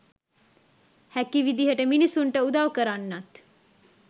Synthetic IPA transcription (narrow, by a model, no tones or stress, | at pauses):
hækiʋid̪iɦəʈəminisuɳʈəud̪aʋkəɾanːat̪